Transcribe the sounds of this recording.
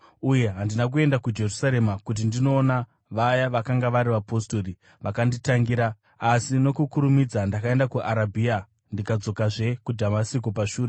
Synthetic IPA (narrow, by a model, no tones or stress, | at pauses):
uje̞ɦandinak̬ue̞ndakud͡ʒe̞rusaɾe̞makut̬indino̞ːna | ʋajaʋakaŋɡaʋaɾiʋapo̞sto̞ri | ʋʔakanditaŋɡiɾaː | sino̞kukuɾumid͡zandakae̞ndakuʔaɾabʱia | ndikad͡zo̞kaʐe̞kudʱamasikopaʃuːre